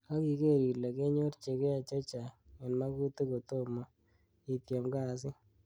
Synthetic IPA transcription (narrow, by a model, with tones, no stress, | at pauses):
ka˦ki˨ke˦˨ɾi˨le˨ke˦ɲo˦ɾt͡ʃe˨kɛ˦a˨t͡ʃa˦t͡ʃa˨ɛ˨nma˦ku˦t̪u˦ko˨t̪o˦ma˨ | i˨t̪ja˨mɡa˦˨s̬ɪ˦